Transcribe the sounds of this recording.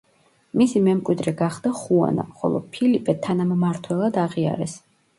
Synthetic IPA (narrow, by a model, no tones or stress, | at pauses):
misimɛmkʼwid̪ɾɛɡaχd̪aχua̰na̰χɔ̰lˠɔ̰pʰilipʰɛt̪ʰanammaɾt̪ʰwɛlˠad̪aʁia̰ɾɛs